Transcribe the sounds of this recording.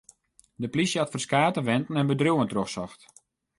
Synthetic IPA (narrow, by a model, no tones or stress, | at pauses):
dəplisjəatfərskaːtəʋɛntn̩ɛnbədruəntroxsɔxt